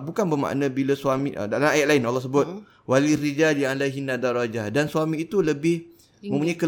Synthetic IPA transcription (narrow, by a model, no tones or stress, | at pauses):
bukanbəma̰ʔnãbilasuamĩʔə̰dalamajaʔ̪̚laɪnɔlːɔhs̬əbʊt̪̚ | walirid͡ʒalialaɦinadaɾɔd͡ʒahdansuamĩːt̪uləbɪh | mə̃mpuɲaikə